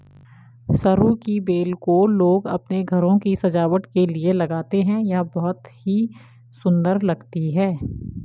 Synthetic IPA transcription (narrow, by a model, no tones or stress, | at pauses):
sɐɾukibeːlkoloːɡɐ̰pneɡʱɐɾõkisɐd͡ʒaːʋəʈ̪kelielɐɡaːt̪eɦɛ̃jabɔɦʊt̪hi | sʊ̃nd̪əɾlɐɡt̪iɦɛ̃ː